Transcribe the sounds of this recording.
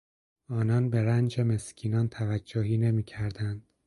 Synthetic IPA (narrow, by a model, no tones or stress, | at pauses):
ɒːnɒːnbe̞ɾænd͡ʒeme̞scʲʰiːnɒːnt̪ʰævæd͡ʒːoɦiːne̞miːcʰæɾd̪ænd̪̥